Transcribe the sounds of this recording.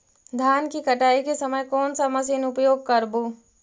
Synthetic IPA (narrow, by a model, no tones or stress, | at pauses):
d̪ʱjaːnkikɐʈaːikesɐməjkɔːnsamɐsiːnʊpjoːɡ̚kɐɾboː